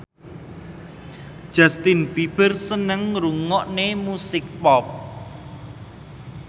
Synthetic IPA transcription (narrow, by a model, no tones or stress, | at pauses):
d̥ʒ̥ast̪ɪnbib̥ərsənəŋɾuŋɔʔnemusɪk̚pɔp̚